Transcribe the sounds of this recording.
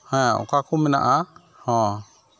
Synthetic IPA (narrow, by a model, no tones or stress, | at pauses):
hɛ̃ɔ̰kakumɛna̰ʔa | hɔ̃